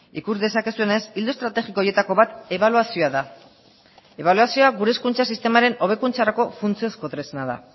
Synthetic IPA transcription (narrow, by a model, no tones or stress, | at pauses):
ikuzd̪e̞sake̞sue̞ne̞sild̪ost̪ɾat̪e̞xikoje̞t̪ako̞βat̪e̞βaluasioaða | e̞β̞aluasio̞aɡuɾe̞skunt͡sasist̪e̞maɾe̞no̞β̞e̞kunt͡saɾako̞funt͡sio̞skot̪ɾe̞senað̞a̰